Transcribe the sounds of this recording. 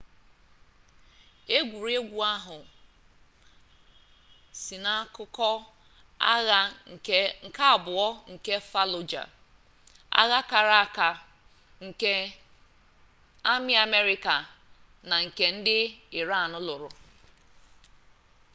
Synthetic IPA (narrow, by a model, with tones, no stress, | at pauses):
e˦ɡʷu˨ɾe˦ɡʷu˨a˦ɦʊ˨ | si˨na˦kʊ˦kɔ˦ | a˦ɣa˨˦ | ŋ̩˨ka˦a˨bʊ˨ɔ˦ŋ̩˨ke˦fa˦lʊ˨d͡ʒa̰˨ | a̰˦ɣa˦ka˨ɾa˦˨ka˨ | ŋ̩˨ke˦ | a˦mɪ˦a˨me˦ɾɪ˦ka˨ | na˨ŋ̩˨ke˨n̩˦dɪ˦ɪ˨ɾa˦˨nʊ˦lʊ˨ɾʊ˨